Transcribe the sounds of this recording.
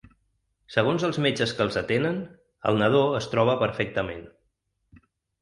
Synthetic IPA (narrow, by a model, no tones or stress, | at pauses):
səɣ̞onzəlˠzmed͡ʒəskəlˠzət̪enən | ə̰lˠnəð̞oəst̪ɾɔβəpəɾfɛk̚t̪əmen